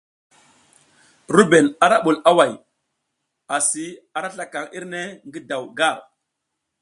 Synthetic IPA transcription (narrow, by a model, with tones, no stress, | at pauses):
ɾu˦be˨na˨ɾa˦ɓu˨la˦wa˨j | a˨si˨a˨ɾa˦ɬa˦ka˨ŋi˦ɾne˦ŋɡi˦da˨wɡa˦˨ɾ